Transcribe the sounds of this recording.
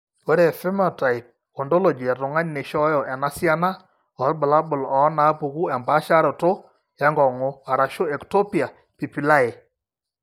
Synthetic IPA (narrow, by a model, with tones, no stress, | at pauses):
o˦ɾe˨fe˦mɔ˨ta˨jp̚ | o˨ndo˦lo˨d͡ʒi˨ɛ˨ɾʊ˨ŋa˦ɲne˨ʃɔ˦jɔ˨ʔɛ˨na˦sja˦na˦ | ɔ˨˦lbʊ˨la˦bʊ˨lɔ˨˦na˨˦pu˨ku˦ɛ˨mba˦ʃa˦ɾo˨to˦ | ja˦ŋɡɔ˨ŋo˦a˨ɾa˨ʃo˦ɛ˨kto˦pia˨ | pi˨pi˨la˦e˨